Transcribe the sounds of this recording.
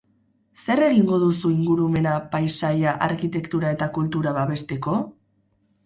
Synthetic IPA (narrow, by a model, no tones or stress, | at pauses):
se̞re̞ɣ̞iŋɡo̞ðusuiŋɡuɾume̞napajsajaʔaɾkit̪e̞kt̪uɾae̞t̪akult̪uɾaβaβe̞st̪e̞ko̞